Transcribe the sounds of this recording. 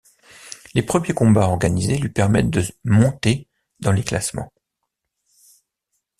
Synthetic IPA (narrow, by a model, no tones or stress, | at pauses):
lepχəmjekɔ̃baɔʁɡanizelɥipɛʁmɛt̪̚d̪əmɔ̃t̪e | d̪ɑ̃lekla̰smɑ̰̃